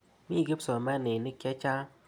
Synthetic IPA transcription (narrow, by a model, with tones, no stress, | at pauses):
mi˦˨ɡi˦psɔ˨mɛ˦nɪ˨ni˦kɛ˦t͡ʃa˦